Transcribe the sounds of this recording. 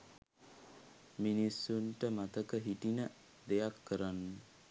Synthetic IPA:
minisːuɳʈəmat̪əkəɦiʈinə | d̪ejakʰːəɾanːə

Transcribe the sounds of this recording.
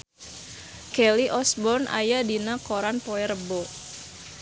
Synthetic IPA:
kɛliʔɔsbɔrna̰jadinakoɾanpoɛɾəbɔ

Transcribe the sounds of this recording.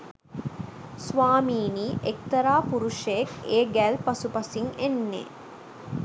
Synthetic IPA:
sʋaːmiːniːʔek̚t̪ɐɾaːpuɾuʃeekeːɡælpɐsupɐsiŋenːḛː

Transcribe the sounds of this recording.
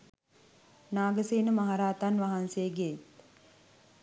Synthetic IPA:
naːɡəseːnəmaɦaɾaːt̪anʋaɦansejəɡet̪

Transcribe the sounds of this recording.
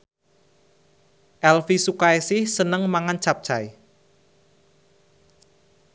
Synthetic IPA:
ʔɛlfisukaesɪhsənəŋmaŋant͡ʃap̚t͡ʃaj

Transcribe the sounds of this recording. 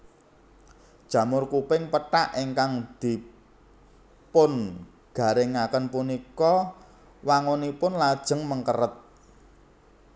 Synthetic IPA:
d̥ʒ̥ä̤mʊrkupɪŋpəʈaʔiŋkaŋd̪̥i̤ | pʊn | ɡ̥a̤ɾɪŋakənpunikɔ | waŋonipʊnlad̥ʒ̥ə̤ŋməŋkəɾət̪̚

